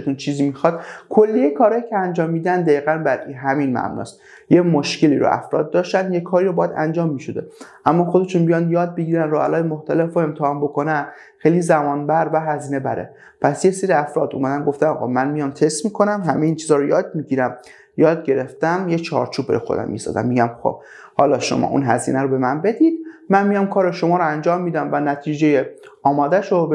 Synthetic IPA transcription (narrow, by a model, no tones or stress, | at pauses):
t̪ʰunt͡ʃʰiːziːmixɒd̪̥kʰolːiekʰɒːɾɒːjicʰeænd͡ʒɒːmːiːd̪ænd̪æiːɣænbæd̪iɦæminmæ̰bnɒ̰ːst̪ | jemoʃce̞liːɾo̰ʔæ̰fɾɒ̰ːd̪̚ːɒːʃt̪ænd̪jekʰːɒːɾiːɾobɒːjæd̪æ̰nd͡ʒɒːmːiʃo̞d̪ḛʔæmːɒːxod̪t͡ʃʰonbijɒnd̪jɒːd̪̚beɡiːɾænɾoælɒːjemoxt̪ʰælefoe̞mt̪ʰehɒːmbo̞kʰo̞næn | xejlizæmɒːnbæɾbæɦæziːne̞bæɾḛ | pʰæsjeseɾiæfɾɒːd̪ṵmæd̪ænɡo̞ft̪æmɒ̰ɣɒ̰mænmijɒmt̪ʰest̪miːkʰo̞næmɦæmejiːnt͡ʃʰizɒːɾojɒːd̪̚miɟiɾæm | jɒːd̪̚ɟe̞ɾeft̪æmjet͡ʃʰɒ̰ːɾt͡ʃʰuːb̚bæ̰ɾ̰jxo̰æ̰mːḭst̪ɒ̰d̪æ̰mːiɟæmxo̰b | hɒːlɒʃo̰mʔɒ̰ːʔṵnɦæzḭːnæɾobe̞mænbe̞d̪id̪̥̚mænmijɒmkʰɒːɾeʃomɒːɾoænd͡ʒɒːmːiːd̪æmvænæt̪ʰiːd͡ʒe̞je | ɒːmɒːd̪æʃob